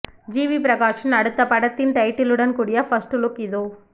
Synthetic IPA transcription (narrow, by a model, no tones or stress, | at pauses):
d͡ʒiːʋipɾɐkaːʂɐnɐɽɯt̪ːɐpɐɽɐt̪ːɪnʈ̪ɐɪʈːɪlɯɽɐnkuːɽɪjɐfɐsʈlʊkɪðoː